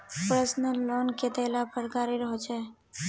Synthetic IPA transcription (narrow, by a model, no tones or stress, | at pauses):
pɾəsnəlːɔnket̪əlapəɾkaɾiɾəɦɔt͡ʃʰɛ